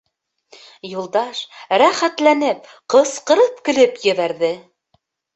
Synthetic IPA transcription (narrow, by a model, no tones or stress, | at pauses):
julˠd̪ɑʃɾæχæt̪lænɘp̚ | qɤ̆sqɤ̆ɾɤp̚kɘ̆lɘpjɵ̆βæɾðɘ